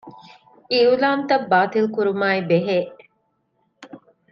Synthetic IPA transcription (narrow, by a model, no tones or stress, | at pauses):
iulaːnt̪ɐbːaːt̪ilkuɾumaːibeɦeː